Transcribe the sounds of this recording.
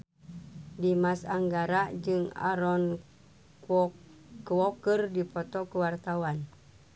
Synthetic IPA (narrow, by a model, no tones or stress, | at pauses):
dimasaŋɡaɾad͡ʒɨŋa̰ɾɔn | kwɔkɨrdipɔt̪ɔkuwart̪awan